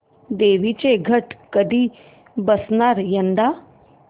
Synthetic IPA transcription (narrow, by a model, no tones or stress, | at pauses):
d̪eʋit͡ɕeɡʱəʈkəd̪ʱiː | bəsnaɾjənd̪a